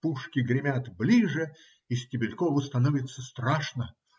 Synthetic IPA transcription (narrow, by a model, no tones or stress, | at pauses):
puʂkʲɪɡɾʲɪmʲat̪blʲiʐɨ | isʲtʲɪbʲɪlʲkovʊst̪ɐnovʲɪt̪sːəst̪ɾaʂnə